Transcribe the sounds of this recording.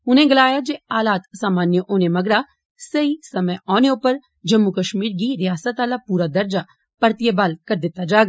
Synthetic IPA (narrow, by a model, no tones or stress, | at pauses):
ʊnẽːɡəlaːjad͡ʒeːaːlaːt̪saːmaːnjəʔoːnemɐɡɽa | səisɐməʔaːneʊpːəɾ | d͡ʒəmːukəʃmiːɾɡiɾɪjaːsət̪aːlapuːɾad̪ɐɾd͡ʒa | pəɾt̪ijebaːlkɐɾd̪ɪt̪ːad͡ʒaːɡaː